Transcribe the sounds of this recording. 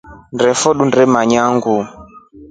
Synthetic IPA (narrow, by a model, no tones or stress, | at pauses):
ndɾɛfɔɗundɛmaɲaŋɡu